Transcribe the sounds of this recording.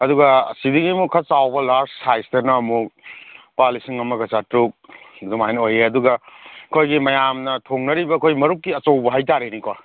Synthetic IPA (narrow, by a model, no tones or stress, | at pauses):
ɐduɡɐsidiŋimukʰɐsawbɐlaɾssajstɐnɐɐmu | palisiŋɐmɐɡɐsatɾuk̚dumajnojeɐduɡɐkʰojɡimɐjamnɐtʰoŋnɐɾibɐkʰojmɐɾuk̚kiɐt͡ʃowbɐɦajtaɾenikwa